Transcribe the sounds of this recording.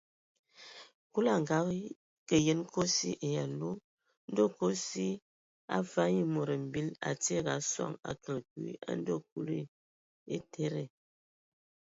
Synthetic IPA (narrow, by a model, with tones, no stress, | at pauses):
ku˦la˨ŋ˨ɡa˨˦ɣ | kə˨je˦nkʰo˦sḭ˦ʔe˨ja˨lu˦ | n̩˦do˦ko˦si˦ | a̰˦fa˦ji˦mo˨ɾə˨m̩˨bi˦la̰˨te˦˨ɡa˨˦sa̰˦˨ŋa̰˨kə˨lkḭ˨˦a̰˦n˦do˦k̚u˦li˦˨ | e˦tʰe˦ɾe˨